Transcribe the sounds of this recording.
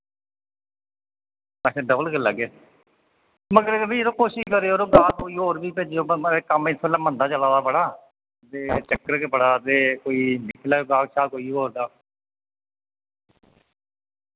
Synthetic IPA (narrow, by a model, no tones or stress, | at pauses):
mɛsẽːɖəbəlkəlaɡeː | məɡəɾʋiːt̪õːkoːʃɪʃkəɾeːoːɾoːɡaːkkoːiːɦoːɾbiːpeːd͡ʒjoːəkəmɪt̪ʰbɛːlːaːmə̃nd̪aːt͡ʃəlaːd̪aːpəɽaː | t̪eːt͡ʃəkːəɾkepəɽaːt̪eːkoːiːnɪkʰlaːoːɡaːkʃʰaːkoːiːɦoːɾd̪aː